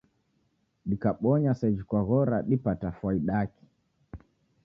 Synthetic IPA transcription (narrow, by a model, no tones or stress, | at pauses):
ɗikaɓɔɲasɛd͡ʒikwaɣɔɾaɗipatafwaiɗaki̥